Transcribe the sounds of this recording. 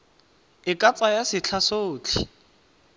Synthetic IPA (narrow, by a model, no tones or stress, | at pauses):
ɪkʼat͡sʼajasɪt͡ɬʰasoːt͡ɬʰḭ